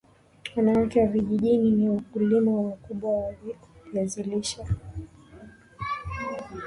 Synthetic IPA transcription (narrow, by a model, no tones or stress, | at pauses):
wanaakɛwaviʄiʄininiakulimawwakuɓwawaliaziliʃa